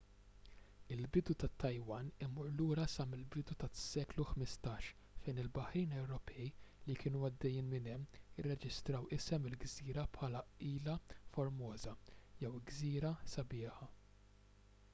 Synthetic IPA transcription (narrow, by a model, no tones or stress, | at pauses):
ɪlbɪd̪ut̪ɐt̪ːɐjwɐnɪmʊɾluːɾɐsɐmɪlbɪd̪ut̪ɐsɛːkluħmɪst̪ɐːʃ | fɛjnɪlbɐħɾiːnɛwɾɔpʰɛjlikʰɪːnuɐd̪ːɛjːiːnmɪnɛmːɪrːɛd͡ʒɪst̪ɾɐwɪsɛmɪlɡziːɾɐpħɐːlɐiːlɐfɔɾmɔːzɐjɛwɡziːɾɐsɐbɪːħɐ